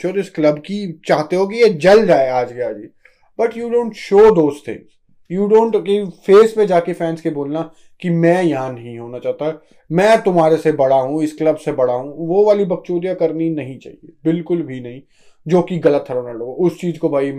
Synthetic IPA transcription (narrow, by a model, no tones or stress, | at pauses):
ɔːɾɪsklɐbkit͡ʃaːɦt̪eɦok̬ijed͡ʒɐld͡ʒaːeaːd͡ʒkeaːd͡ʒiː | bɐʈjuːɖõːɳʈʃoːd̪oːzt̪ʰɪ̰̃ŋz̥ | juːɖõːɳʈkifeːspẽd͡ʒaːkefɛːnskeboːlna | kimɛ̃ːjɐɦãnɐɦĩɦoːnat͡ʃaːt̪a | mɛ̃ːt̪ʊmɦaːɾesebɐɽaɦũɪsklɐbsebɐɽaɦũʋoʋaːlibɐk̚t͡ʃoːɾijakɐɾninɐɦĩt͡ʃa̰ːɦḭebɪlkʊlbʱinɐɦĩ | d͡ʒoːkiɡɐlət̪ɦɾoːnaloːɡʊst͡ʃiːzkobʱaːi